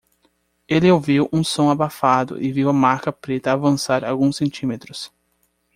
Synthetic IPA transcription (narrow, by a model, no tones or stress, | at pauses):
elɪowviwʔũsõw̃abafad̪ʊ̰ʔɪviwɐmaɾkɐpɾet̪ɐːvɐ̃saɾa̰wɡũsẽnt͡ʃĩmet̪ɾʊs